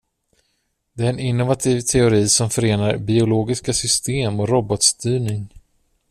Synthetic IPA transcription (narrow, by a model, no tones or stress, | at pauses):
d̪ɛæɾɛnɪnːʊvat̪ʰiːvt̪ʰɛʊɾiːsɔmfœɾeːnaɾbɪʊloːɡɪskasʏst̪eːmɔɾɔbɔt̪st̪ʰyːɳɪŋ